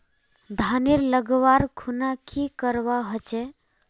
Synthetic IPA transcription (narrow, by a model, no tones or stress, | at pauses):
d̪ʱaniɾləɡʋaɾkʰunakʰikəɾbaɦɔt͡ʃɛ